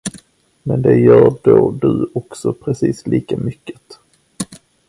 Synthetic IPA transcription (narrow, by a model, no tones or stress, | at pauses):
mɛnd̪ɛjœːɾɖoːɖɵɔksɔpʰɾɛsiːslʔiːkamʏkːət̪